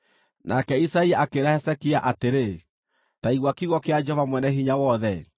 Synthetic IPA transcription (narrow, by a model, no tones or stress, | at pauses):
nʔakɛisaiaakeɾahɛsɛkiaʔateɾe | taiɣwakiɣwɔkead͡ʒɔvamwɛnɛhiɲawɔðɛ